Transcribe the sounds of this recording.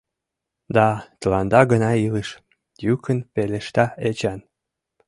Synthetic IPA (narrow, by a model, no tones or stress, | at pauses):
d̪ɑt̪əlɑnd̪ɑɡənɑiləʃ | jykʰənpeleʃt̪ɑet͡ɕɑn